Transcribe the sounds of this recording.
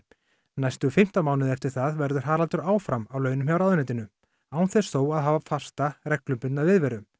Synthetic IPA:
najst̪ʏfɪm̥t̪amaːwnɪðɛft̪ɪɾ̥θaðvɛɾðʏɾ̥ɦaːɾalt̪ʏɾaːwfɾamawlœːɥnʏmçjawɾaðʏnɛt̪ɪnʏ | aːwnθɛsθoːwaðɦaːvafḁst̪arɛklʏmpʏnnaðvɪðvɛːɾʏ

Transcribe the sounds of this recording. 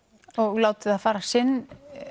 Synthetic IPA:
ɔɣloːwt̪ɪðaðfaːɾasɪnː

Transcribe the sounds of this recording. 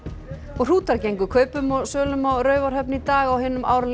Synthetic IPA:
ɔɣr̥uːt̪aɾcejŋkʏkʰœːɥpʏmɔɣsœːlʏmɔɾœːɥvaɾ̥ɦœp̚nɪit̪aːɣawɦɪːnːʏma̰ːwɾl

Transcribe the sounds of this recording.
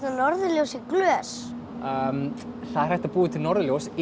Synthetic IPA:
t̪anɔɾðɪljowsɪklœːs | øm | θaðrajht̪apuːðɪt̪ʰɪlnɔɾðɪljows

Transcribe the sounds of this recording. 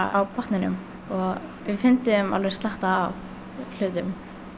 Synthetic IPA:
awpʰɔht̪nɪnʏ̰m | ɔɣʋɪfɪnt̪ɪma̰lvejɾ̥st̪laht̪aːv | l̥ʏːðʏm

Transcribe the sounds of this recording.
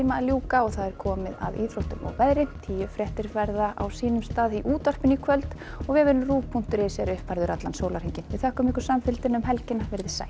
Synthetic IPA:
imaljuːkaɔɣθaðɛɾ̥kʰɔːmɪða̰ðiːθɾowht̪ʏmɔ̰wɣvɛðɾɪt̪ʰiːjʏfɾɛht̪ɪɾfɛɾðaʔa̰wsiːnʏmst̪aːðiʔuːt̪ar̥pɪnikʰvœlt̪ | ɔɣvɪvɪnʏmruːpʰun̥t̪ʏɾɪsɛɾʏhpvaɾðʏɾʔat̪lansowlaɾ̥iɲcɪnvɪðθɛhkʏmɪhkʏɾ̥samfɪlt̪ɪnʏmɦɛlcɪnavɪɾðɪsa̰ːj

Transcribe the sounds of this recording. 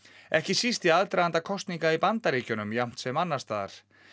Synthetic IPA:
ɛhcɪsist̪ɪalt̪ɾaant̪akʰɔst̪niŋkaipant̪aɾiːcʏnʏmjam̥t̪sɛmanːast̪aːða̰ɾ̥

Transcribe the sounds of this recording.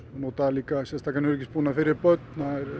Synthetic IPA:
not̪alikasɛst̪akanøɾkispunafɪɾjəpœt̪naɾ

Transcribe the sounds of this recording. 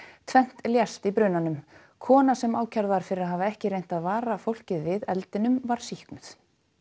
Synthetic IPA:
t̪ʰvɛn̥t̪ljast̪ipɾʏːnanʏm | kʰɔːnasɛmaːwcʰaɾðvaɾ̥fɪɾɪɾaɦaːvaɛhcɪɾejn̥t̪aðvaːɾafowl̥cɪðvɪðɛlt̪ɪnʏmvaɾ̥sihknʏθ

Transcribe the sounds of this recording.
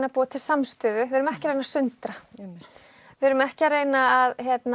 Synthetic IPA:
napuːat̪ʰɪlsamst̪ʏːðʏvɪːɾʏmɛhcɪɾeːjnasʏnt̪ɾa | vɛɾʏmɛhcaɾeːjnaaðçjɛt̪n

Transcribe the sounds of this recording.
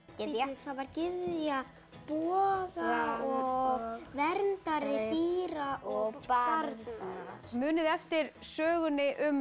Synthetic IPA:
ɪlθavaɾ̥cɪððja | pɔːɣaɔɣvɛɾnt̪aɾɪt̪iːɾaʔɔɣaɾð | mʏːnɪðɛft̪ɪɾ̥sœːɣʏnɪʔʏm

